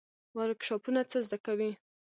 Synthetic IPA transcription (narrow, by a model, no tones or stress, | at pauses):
waɾkʃɑpunat͡səzd̪akawi